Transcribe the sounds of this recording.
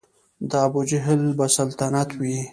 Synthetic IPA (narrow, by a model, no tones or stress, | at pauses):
d̪aabud͡ʒɪɦɪlbasalt̪anat̪ʰwi